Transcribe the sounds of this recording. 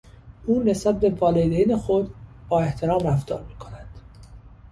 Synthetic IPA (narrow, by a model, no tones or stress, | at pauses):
ʔuːne̞sbæt̪̚be̞vɒːled̪enexod̪b̥ɒːe̞ht̪ʰe̞ɾɒːmræft̪ʰɒ̰ːɾmiːkʰo̞nænd̪̥